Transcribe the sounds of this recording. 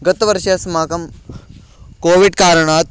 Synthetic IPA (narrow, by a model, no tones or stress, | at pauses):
ɡɐt̪ʋɐɾʃɐsmaːkɐm | koːʋiɖkaːɾəɳaːt̪̚